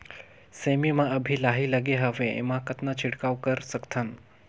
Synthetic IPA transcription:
semimãəbʱilaɦiləɡeɦəʋẽḛmãkət̪nat͡ɕʰiɽkaʋkəɾsəkt̪ʰən

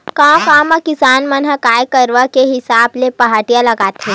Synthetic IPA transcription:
kãːkaːmãkɪsaːnmənɦəkaːjkəɾʋakeɦɪsaːblepɐɦaːʈijãlɐɡaːt̪ẽː

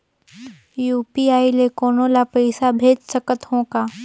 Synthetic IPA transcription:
juːpiaːilekoːnõlapɐɪsabʱeːd͡ʒsəkət̪ɦõːkaː

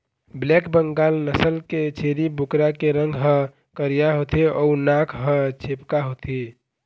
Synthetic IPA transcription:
blɛkbəŋɡalnəsəlket͡ʃʰeɾibukɾakeɾə̃ŋɡɦə̃ | kəɾijaɦot̪ʰeɔunakʰɦə̃t͡ʃʰepkaɦot̪ʰi

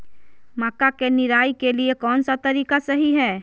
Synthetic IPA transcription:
maːkakenɪɾaːikeliekɔːnsat̪ɐɾiːkasɐɦiɦɛː

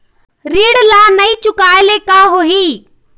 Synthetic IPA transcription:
ɾiːɽlaːnəĩːt͡ʃʊkaːeleːkaːɦoːɦiː

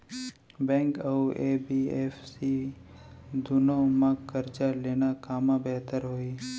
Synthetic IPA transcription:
bɛ̃ːŋkəuʔeːbieːfsi | d̪ʊnõmãkəɾd͡ʒaleːnakaːmãbɛɦt̪əɾɦoːiː

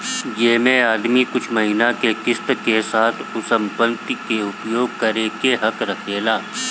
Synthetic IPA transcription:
jeːmẽaːd̪mikʊt͡ʃʰmɐɦiːnakekɪst̪kesaːt̪ʰʊsə̃mpə̃nt̪ikeʊpjoːɡ̚kɐɾeːkeɦɐkɾɐkʰeːlaː

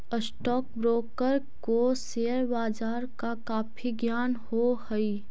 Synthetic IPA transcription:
əsʈɔːk̚bɾoːkəɾkoseːəɾbaːd͡ʒaːɾkakaːpʰiɡjaːnhohəi

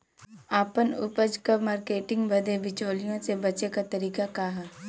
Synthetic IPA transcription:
aːpənʊ̰pəd͡ʒkəmaːɾkeːʈɪ̃ŋɡbɐd̪ʱebɪt͡ʃoːlijõsebɐt͡ʃekat̪ɐɾiːkakaɦaː

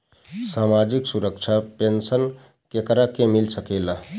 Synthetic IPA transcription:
samad͡ʒiksuɾək̚t͡ʃʰapensən | kekɾakemilsəkela

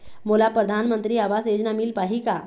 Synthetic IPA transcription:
moːlapɾəd̪ʱaːnmə̃nt̪ɾiaːʋaːsjeːd͡ʒnamilpaːɦika

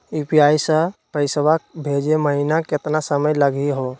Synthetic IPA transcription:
iːpiaːisə̃pəɪsʋak̚bʱed͡ʒeməɦinaket̪nasəməjləɡiɦo

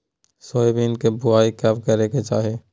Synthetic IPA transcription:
soːebʱinkebʊaːikabkɐɾeket͡ʃaːɦeː

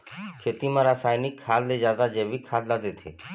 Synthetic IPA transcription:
kʰet̪imãɾasajnikʰːalled͡ʒad̪ad͡ʒeʋikʰad̪lad̪et̪ʰḛ

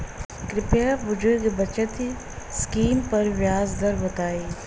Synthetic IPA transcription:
kɾɪpeːʋʊd͡ʒuɡebɐt͡ʃat̪ʰi | skiːmpɐɾʋjaːzd̪ɐɾbɐt̪aːiː

